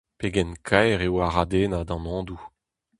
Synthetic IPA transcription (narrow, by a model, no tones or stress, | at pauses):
peɡɛnkʰajʁewaʁad̪eːnad̪ɑ̃nɔ̃ːd̪u